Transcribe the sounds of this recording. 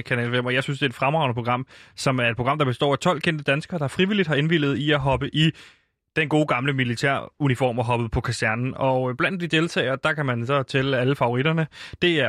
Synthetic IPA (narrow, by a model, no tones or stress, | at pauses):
kʰænɛ̰lʋem̰ɒjɑ̈ɪsynsd̥e̝ːd̥fʁamʁɑ̈ʊnəpʰo̝ɡ̥ʁɑ̈m̰sɒ̽mæɐed̥̚pʰo̝ɡ̥ɑ̈m̰d̥ɑ̈b̥e̝sd̥ɒ̰ːæt͡sʰɒ̽l̰kʰen̰d̥əd̥ænsɡ̥ɐːd̥ɑ̈æɐfʁiʋilid̥hɑ̈e̝nʋil̰ð̞̩ˠiæɦɒ̽b̥əʔi | d̥enɡ̥o̝ːɡ̥ɑ̈mləmilit͡sʰæɐ̰unifɒ̰ːmɒɦɒ̽b̥əð̞̩ˠpʰɒ̽kʰæsæɐnn̩ɒ̽b̥lænd̥ːid̥e̝lt͡sʰɛ̰ɪɐd̥ɑ̈kʰæmænsɒ̽t͡sʰelæləfɑ̈o̝ʁid̥ɐnəd̥e̝æɐ